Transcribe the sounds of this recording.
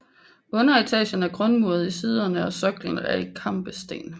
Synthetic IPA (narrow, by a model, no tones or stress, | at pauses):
ʔɔ̽nɐit͡sʰɛ̰ːɕənæɐɡ̥ʁɔnmuɐð̞ˠisiːð̞ˠɐnəɒ̽sɒ̽ɡ̥ln̩æɐikʰɑ̈m̰b̥əsd̥e̝̰ːn